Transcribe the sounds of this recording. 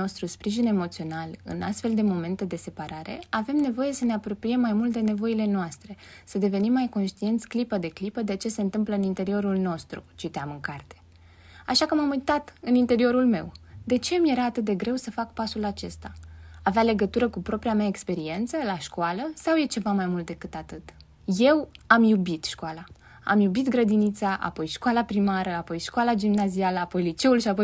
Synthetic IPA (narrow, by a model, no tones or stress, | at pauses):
o̞st̪ɾuspɾiʒine̞mo̞t̪sio̞nalɨ̰nʔa̰st̪fe̞ld̪e̞mo̞me̞nt̪e̞d̪e̞se̞paɾaɾe̞̰ave̞mne̞vo̞je̞səne̞apɾo̞pɾije̞mːajmult̪̚d̪e̞ne̞vo̞ile̞noast̪ɾe̞ | səd̪e̞ve̞nimːajko̞nʃt̪ient̪sʲklipəd̪e̞klipəd̪e̞t͡ʃe̞se̞ɨnt̪ɨmpləɨnint̪e̞ɾio̞ɾulno̞st̪ɾṵt͡ʃit̪eamɨŋkart̪e̞̥ | aʃakəmamujt̪at̪ɨnint̪e̞ɾio̞ɾulme̞̰wd̪e̞t͡ʃe̞mje̞ɾaːt̪ɨt̪̚d̪e̞ɡɾe̞wsəfakpasulat͡ʃe̞st̪aaveale̞ɡət̪uɾəkupɾo̞pɾiameaekspe̞ɾie̞nt̪səlaʃkualəsawje̞t͡ʃe̞vamajmult̪̚d̪e̞kɨt̪at̪ɨt̪ | je̞wamjubit̪ʃkuala | a̰mjubit̪ɡɾəd̪init̪saʔa̰po̞jʃkwalapɾimaɾəapo̞jʃkoalad͡ʒimnazialəapo̞jlit͡ʃe̞ulʃiapoj